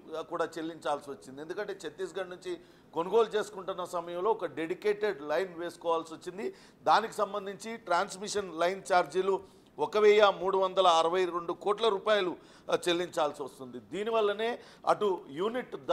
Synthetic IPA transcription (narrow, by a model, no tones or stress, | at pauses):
kuːɽaːt͡ʃelːiɲt͡ʃaːlsiʋɐt͡ʃːind̪iend̪ukɐɳʈe̞ːt͡ʃet̪ːiːsɡɐɳnuɲt͡ʃi | ko̞nuɡo̞ːlut͡ʃe̞ːsu̥kuɳʈunːɐsɐmɐjɐmlo̞ːɔkɐɖe̞ɽikeːʈe̞ɖlɐjnʋe̞ːsu̥kɔːʋaːlsiʋot͡ʃːind̪i | d̪aːniki̥sɐmbɐnd̪iɲt͡ʃiʈɾaːnsmiʂɐnlɐjnt͡ʃaːɾd͡ʒilu | ɔkɐʋɛjɐmuːɽuʋɐnd̪ɐlɐːɾɐʋɐjɾe̞ɳɖukoːʈlɐɾuːpaːjɐlu | t͡ʃe̞lːiɲt͡ʃaːlsiʋɐst̪und̪id̪iːniʋɐlːɐne̞ː | ɐ̰ʈujuːniʈd̪